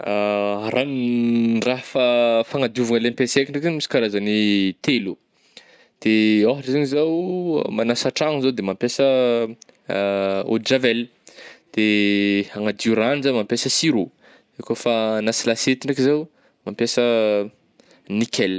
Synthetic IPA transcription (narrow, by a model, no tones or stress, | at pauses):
aɾʔanraɦfafaŋad̪iuvuŋəlenpesekiɖ͡ʐakinmisi̥kaɾazanit̪elu | d̪̥eaɦɾizaɲizaw̰manasaʈ͡ʂaŋzowd̪emampjesə | o̰d͡ʒavɛl | d̪̥eaŋad̪iuɾanzamampjesəsiɾu | ekofanasilaset̪iɖ͡ʐakizaw | mampjesə | nikʲɛl